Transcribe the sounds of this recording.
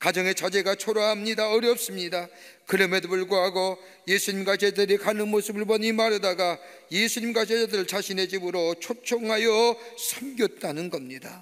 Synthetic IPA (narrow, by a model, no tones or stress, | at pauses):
kad͡ʑʌŋe̞t͡ɕʰad͡ʑe̞ɡat͡ɕʰoɾaɦamɲidaʌɾjʌp̚s͈ɯmɲida | kɯɾʌmedopuɭɡoɦaɡo | je̞sʰuɲimɡwat͡ɕed͡ʑaeɾikʰanɯnmos͈ʰɯbɯɭbʌnimaɾɯdaɡa | jesʰuɲimɡwat͡ɕed͡ʑadɯɾɯɭt͡ɕaɕʰine̞d͡ʑibɯɾot͡ɕʰot͡ɕʰoŋɦajʌsʰʌmɡjʌt̚t͈anɯnɡʌmɲida